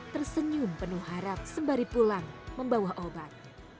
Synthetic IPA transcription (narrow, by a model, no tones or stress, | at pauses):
t̪ərsəɲumpənuɦaɾap̚səmbaɾipulaŋməmbawahʔobat̪̚